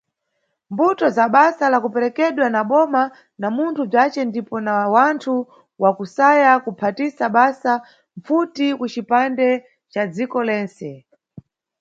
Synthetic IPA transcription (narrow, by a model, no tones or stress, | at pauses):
mbutɔzaɓasalakupɛɾɛkɛɗwanaɓɔma | namuntʰub͡ʐat͡ʃɛndipɔnawantʰu | wakusajakupʰatisaɓasa | ɱfutikut͡ʃipandɛ | t͡ʃad͡zikɔlɛːnt͡sɛ